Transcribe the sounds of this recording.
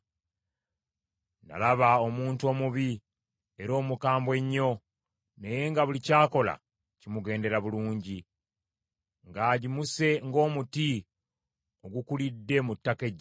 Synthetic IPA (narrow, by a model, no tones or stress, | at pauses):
na̰laβao̞muːntuo̞ːmuβi | e̞ɾo̞ːmukaːmbwe̞ɲːo̞ | ne̞je̞ŋɡaβulicaːko̞la̰ | cimuɡe̞ːnde̞ɾaβuluːɲɟi | ŋɡaːɟimuse̞ŋɡo̞ːmuti | o̞ɡukulidːe̞mutːake̞ɟ